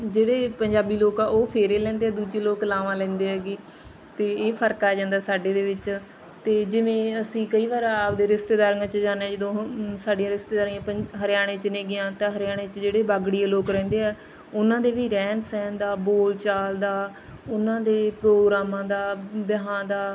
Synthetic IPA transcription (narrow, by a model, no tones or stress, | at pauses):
d͡ʒeːɽeːpəɲd͡ʒaːbiːloːkãʔoːpʰeːɾeːlɛ̃ːnd̪eːɛːd̪uːd͡ʒeːloːklaːʋãːlɛ̃ːnd̪eːɦɛːɡiː | t̪eːeːpʰəɾkaːd͡ʒãːnd̪aːsaːɖeːd̪eːʋɪt͡ʃ | t̪eːd͡ʒɪʋẽːəsĩːkəiːʋaːɾaːpd̪eːɾɪst̪eːd̪aːɾŋãːt͡ʃd͡ʒaːnːɛ̃ːd͡ʒəd̪õːsaːɖijãːɾɪst̪eːd̪aːɾiãːpəɦəɾɪjaːɽ̃ẽːt͡ʃəneːɡɪjãːt̪ãːɦəɾɪjaːɽ̃eːt͡ʃd͡ʒeːɽeːbaːɡɽiːẽːloːkɾɛ̃ːnd̪eːɛː | ʊnãːd̪eːʋiːɾɛ̃ːnsɛ̃ːnd̪aːboːlt͡ʃaːld̪aː | ʊnãːd̪eːpɾoːɡɾaːmãːd̪aːbjəɦãːd̪aː